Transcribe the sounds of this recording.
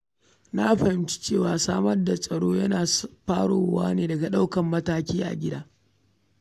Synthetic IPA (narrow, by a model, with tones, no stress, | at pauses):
na˦ɸɐ˨hɪ˦mt͡ʃi̥˦t͡ʃeː˦˨waː˦saː˦mɐ˦rda˨sʼɐ˨ɽoː˦jɐ˦naː˨ɸaː˦ɽoː˨wa̰ː˦neː˨dɐ˨ɡa˨ɗa˦wkɐ˨mːɐ˦taː˦kʲiː˦ʔa̰˨ɡʲɪ˦daː˦